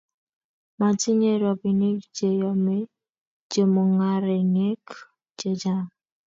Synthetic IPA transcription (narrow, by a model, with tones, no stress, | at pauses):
ma˨ti˦ɲe˦ɾɔ˨bi˨ne˦kd͡ʒe˨jɔ˨me˦ | d͡ʒe˨mo˨ŋa˨ɾe˨ŋe˦k | d͡ʒe˨d͡ʒa˦